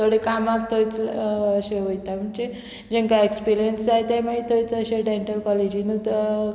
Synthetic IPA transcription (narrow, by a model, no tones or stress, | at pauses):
t̪ʰoɽekamakt̪ʰojt͡səɕeɦojt̪am̤əɳd͡ze | d͡ʑẽŋkaekspiɾijənsd͡zajet̪emait̪ʰojt͡səɕeɖeɳʈəlkɔled͡ʑinu